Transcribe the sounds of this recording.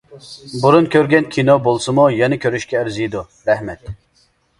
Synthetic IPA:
buɾunkʲʰøɾɡʲɛnkʲʰinobolˠsɨmujɛnɪkʲʰøɾyʃkʲɛːɾzid̪u | ɾɛhmɛt̪

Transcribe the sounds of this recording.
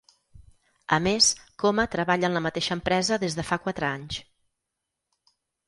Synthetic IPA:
əmeskɔmət̪ɾəβaʎənləmət̪eʃəːmpɾɛzəðezðəfakwat̪ɾəaɲs

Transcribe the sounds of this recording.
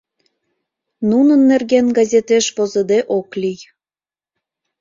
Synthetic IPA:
nunənːerɣenɡɑzʲet̪eʃpozəd̪eʔoklʲij

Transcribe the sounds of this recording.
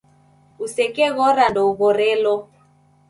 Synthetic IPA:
usɛkɛɣɔɾandɔuɣɔɾɛlɔ

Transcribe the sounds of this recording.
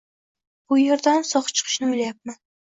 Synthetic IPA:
b̥ʊjeɾd̪ansɒχt͡ʃʰɨ̥qʰɨ̥ʃnɪojlajap̚man

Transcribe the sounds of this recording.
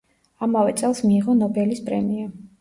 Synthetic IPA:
amavɛt̪sʼɛlˠsmiːʁɔnɔbɛlispʼɾɛmia

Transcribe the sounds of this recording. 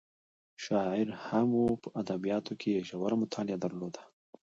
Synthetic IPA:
ʃɑɪɾhamopəʔad̪abijɑt̪okʰeeʒawaɾamʊt̪ʰɑlɪad̪aɾlod̪ḁ

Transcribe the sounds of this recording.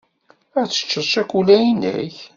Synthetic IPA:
æt͡sːə̥t͡ʃːəˤʃækʷːulæjinə̰ç

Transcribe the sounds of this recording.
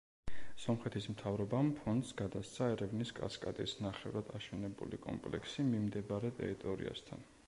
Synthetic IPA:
sɔmχɛt̪ʰismt̪ʰavɾɔbampʰɔnd̪sɡad̪ast̪sʰaɛɾɛvniskʼa̰skʼa̰t̪ʼḭsnaχɛvɾad̪̥aʃɛnɛbṵlikʼɔ̰mpʼlɛ̰ksimimd̪ɛbaɾɛt̪ʼɛ̰ɾit̪ʼɔɾḭa̰st̪ʰa̰n

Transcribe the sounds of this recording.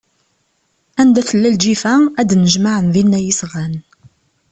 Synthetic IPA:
ænd̪æθəlːæld͡ʒifææd̪nəʒmaʕənðinːæjəsʁæn

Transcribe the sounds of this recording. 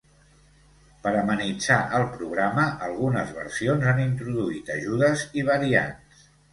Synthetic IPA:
pəɾəmənid͡zaʔəlˠpɾuɣ̞ɾaməʔəlˠɣunəzβə̰ɾsionzanint̪ɾuðuit̪əʒuðəziβ̞əɾia̰ns

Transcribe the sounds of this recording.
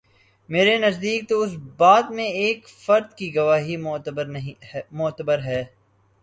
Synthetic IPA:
meːɾenɐzd̪iːk̚t̪oʊs̬baːd̪mẽeːkfɐɾd̪kiɡɐʋaːɦibɾɦmʊt̪əbəɾɦɛː

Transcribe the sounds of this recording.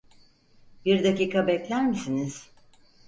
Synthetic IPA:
biɾd̪aciːkʰabɛclʲæɾmisiniz̥

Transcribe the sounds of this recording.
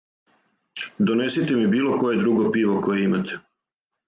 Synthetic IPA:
d̪one̞sit̪emibiːlo̞ko̞jed̪ɾuɡopiːʋo̞kojeimat̪ʰe̥

